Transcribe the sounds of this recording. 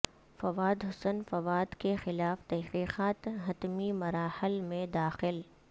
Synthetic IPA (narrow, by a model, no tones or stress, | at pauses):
fɐʋaːd̪ɦʊsənfɐʋaːd̪kexɪlaːft̪ɛɦqiːqaːt̪ɦɐt̪mimɐɾaːhɪlmẽd̪aːxɪl